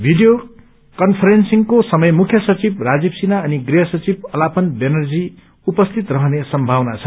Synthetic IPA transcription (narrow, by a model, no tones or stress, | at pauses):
bʱiɖijo | kʌnpʰʌɾensiŋkosʌmʌjmukʰjʌsʌt͡sibrad͡zibsinaʌniɡriɦʌsʌt͡sibʌlapʌnbenʌrd͡zi | upʌst̪ʰit̪rʌɦʌnesʌmbʱawnat͡sʰʌ̥